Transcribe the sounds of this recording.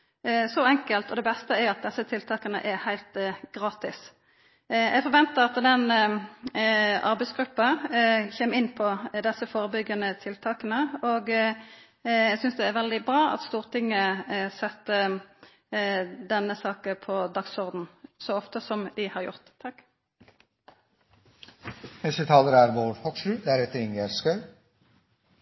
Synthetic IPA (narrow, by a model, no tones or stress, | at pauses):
sɔɛŋkəlt̪ʰɔd̪ɛbɛst̪əæɾɑt̪̚d̪ɛsːət̪ʰɪlt̪ʰɑːkənə̰ʔæɾhæɪlt̪ɡ̥ʁɑːt̪ɪs | jɛɪɡfɔɾʋɛnt̪əʁɑt̪d̪ɛn | ɑɾbæɪsɡɾʉpːɑçeːmɪnːpʰɔd̪ɛsːəfoːɾəbʏɡənət̪ʰɪlt̪ʰɑːkənəɔɡ | jæɡsʏnsd̪ɛːɾʋɛld̪ɪbɾʁɑːɑ̰t̪st̪uːʁt̪ʰɪŋːəsɛt̪ːə | d̪ɛnːəsɑːkəpʰɔd̪ɑksɔʁd̪n̩sɔɔft̪əsɔmd̪ɪhɑʁjʊ̰ʁt̪ʰːɑkː | nɛsət̪ʰɑːləɾæɾʋoːɾhɔɡʂʉːd̪æɾɛt̪ːəɾɪŋæɾskœʉ